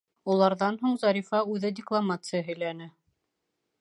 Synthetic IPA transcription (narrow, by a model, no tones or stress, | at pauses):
ulˠɑɾðɑnɦuɴzɑɾʲifɑʉðɘdʲɪklˠamat̪sɨjəɦɵ̆jlænɘ